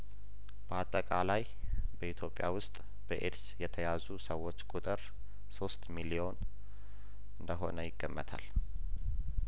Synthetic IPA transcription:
b̥əat̪ʼːəkʼalaj | bəʔit̪ʰjo̞pʼɪjawʊst̪ʼ | b̥əʔeɾsjɛt̪ʰəjazusəwːo̞t͡ʃːkʼut̪ʼɨɾ | so̞st̪milio̞n | ɨnd̪əɦo̞̰nəjɪɡːəmːət̪ʰa̰l

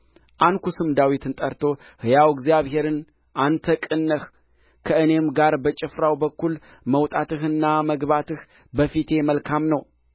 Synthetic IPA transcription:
ʔankusɨmd̪awit̪ʰɨnt̪ʼəɾt̪ʰo̞ | hɨjawɪɡzjaβɦe̞ɾɨn | ʔant̪ʰəkʼɨnːəh | kʰəʔɨne̞mɡaɾbət͡ʃʼɪfɾawbəkːul | məwt̪ʼat̪ɨɦɨnːaməɡβat̪ʰɨh | bəfit̪ʰe̞məlkʰamnəw

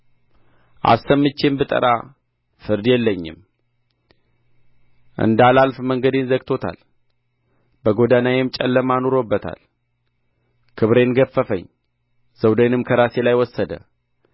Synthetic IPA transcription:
ʔa̰sːəmːɨt͡ʃːe̞mbɨt̪ʼə̰ɾa | fɨɾd̪jɛlːəɲːɪ̰m | ʔɨ̰nd̪alalfməŋɡəd̪enzəɡt̪ʰo̞t̪ʰa̰l | bəɡo̞d̪anajemt͡ʃʼɛ̰lːəmano̞ɾo̞bːət̪ʰa̰l | kʰɨβɾe̞nɡəfːəfə̰ɲː | z̥əwd̪ənɨmkʰəɾase̞lajwɔsːəd̪ə̰

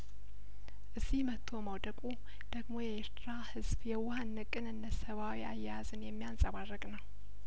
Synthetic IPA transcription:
ʔɨzːihmət̪ʰːo̞məwd̪əkʼu | d̪̥əɡmo̞jɛeɾt̪ʰɾahɨzbjɛwahanːɨkʼɨnɨnːəsəβawiajːazɨnjɛmːijansʼəβarːəkʼnəw

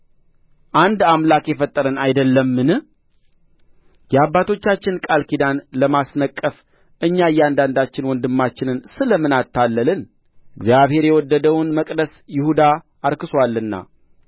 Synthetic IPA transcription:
ʔand̪amlakjɛfət̪ʼːəɾənajd̪əlːəmːɨnɨ | jɛabːat̪ʰo̞t͡ʃːat͡ʃːɪnkʼalkid̪anləmasnəkʼːəf | ʔɨɲːajɛand̪and̪at͡ʃːɪnwɔnd̪ɨmːat͡ʃːɪnɨnsɨləmɨnat̪ʰːalːəlɨn | ʔɨɡzjaβhe̞ɾjɛwɔd̪ːəd̪əwnməkʼd̪əsjɪhud̪aː | ɾkɨswalːɨnːa̰

